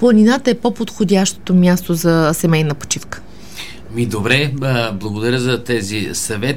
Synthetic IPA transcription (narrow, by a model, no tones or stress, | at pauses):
plˠənʲinat̪əɛpopot̪xod̪ʲaʃt̪o̥t̪omʲjast̪ozɐsɛmɛjnəpo̥t͡ʃifkə̥ | mid̪obɾɛblˠɐɡod̪ɐɾʲəzɐt̪ɛzisɐvɛt̪